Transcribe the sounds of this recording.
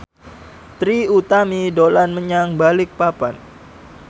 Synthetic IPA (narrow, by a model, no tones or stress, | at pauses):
t̪ɾiut̪amidolanməɲaŋbalɪk̚papan